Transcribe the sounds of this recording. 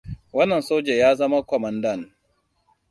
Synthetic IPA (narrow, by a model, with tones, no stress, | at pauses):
wɐ˦nːɐ˨nsoː˦d͡ʒe˨jaː˦zɐ˦ma˦kʷɔ˨mɐ˨ndɐ˦˨n